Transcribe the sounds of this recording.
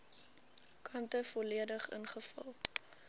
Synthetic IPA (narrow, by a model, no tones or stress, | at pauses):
kʰɐntəfɔliədəχə̰nχəfɐ̰lˠ